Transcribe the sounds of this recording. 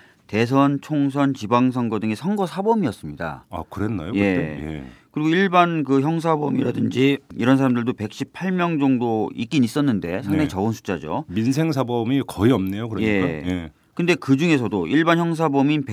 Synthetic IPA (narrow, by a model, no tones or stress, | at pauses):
te̞s̬ʰʌnt͡ɕʰoŋsʰʌnt͡ɕibaŋsʰʌŋɡʌdɯŋe̞sʰʌnɡʌsʰabʌmiʌs͈ɯmɲida̰a̰kɯɾenːa̰joje̞jḛkɯɾiɡoiɭbankɯçjʌŋs̬ʰabʌmiɾadɯnd͡ʑiiɾʌnsʰaɾamndɯɭdope̞k̚ɕ͈ipʰaɭmjʌŋd͡ʑʌŋdoik͈inis͈ʌnːɯnde̞sʰaŋet͡ɕʌonsʰu̥t͡ɕ͈ad͡ʑo̰minsʰe̞ŋs̬ʰabʌmikʌiʌmne̞jokɯɾje̞je | kɯnde̞kɯd͡ʑuŋe̞sʰʌdoʔiɭbançjʌŋs̬ʰabʌminpe